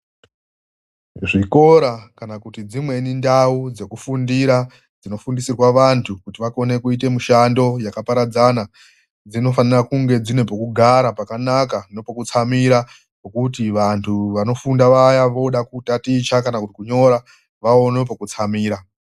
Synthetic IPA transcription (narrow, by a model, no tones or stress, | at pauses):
ʐiko̞ɾakanakutid͡zimwe̞nindaud͡ze̞kufundiɾa | d͡zino̞fundisirwaʋantʰukutiʋako̞ne̞kuit̬e̞muʃando̞jakapaɾad͡zana | d͡zino̞fanirakuŋɡe̞d͡zine̞pokuɡʱaɾapakanakano̞pokut͡samiɾa | pokutiʋantʰuʋano̞fundaʋajaʋo̞ɗakutatit͡ʃakanakutikuɲo̞ɾa | ʋaono̞p̬okut͡samiːɾa